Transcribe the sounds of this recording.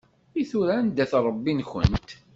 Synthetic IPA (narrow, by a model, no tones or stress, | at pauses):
iθuɾænd̪æθɾˤəbːinxə̰nt̪